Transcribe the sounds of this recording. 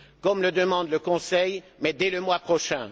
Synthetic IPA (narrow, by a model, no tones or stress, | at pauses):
kɔmləd̪əmɑ̃d̪ləkɔ̃sɛjmɛd̪ɛləmwapχɔʃɛ̃